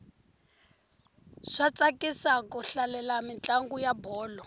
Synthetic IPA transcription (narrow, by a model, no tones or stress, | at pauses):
ʂat͡sʼakisakuɬalɛlamint͡ɬʼaŋɡujabɔːlɔ